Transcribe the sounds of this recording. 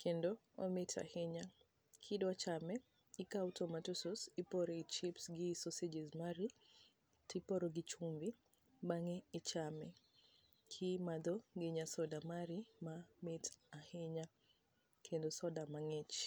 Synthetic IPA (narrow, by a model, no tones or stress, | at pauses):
kʰendo | ometʰa̰heɲa | kʰidwat͡ʃamɛ | ikautɔmatusɔsipɔɾeit͡ʃipsɡisosed͡ʒɛzmaɾi | tipɔɾoɡɪt͡ʃumvi | baŋɛːt͡ʃamɛ | kʰimad̪ɔɡeɲasɔdamaɾimametahɪɲa | kʰendɔsɔdamaŋet͡ʃ